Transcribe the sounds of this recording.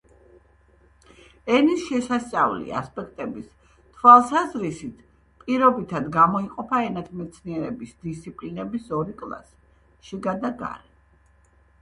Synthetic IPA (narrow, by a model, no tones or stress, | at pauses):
ɛnisʃɛsast̪sʼavlḭa̰spʼɛkʰt̪ʼɛbis | t̪ʰwalˠsazɾisit̪ʰ | pʼiɾɔbit̪ʰad̪ɡamɔiqʼɔpʰaɛnat̪ʰmɛt̪sʰniɛɾɛbisd̪ist̪sʰipʼlinɛbisɔɾikʼlˠa̰s | ʃiɡad̪aɡa̰ɾɛ